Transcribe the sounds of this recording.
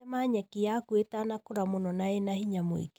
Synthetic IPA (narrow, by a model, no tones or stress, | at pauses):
maɲɛkijakuetanakoɾamonɔnaenahiɲamwḛk